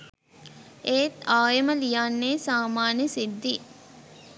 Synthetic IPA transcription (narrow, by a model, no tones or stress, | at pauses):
ʔeːt̪aːjɐməlijaːnːeːsaːmaːnəsid̪ːi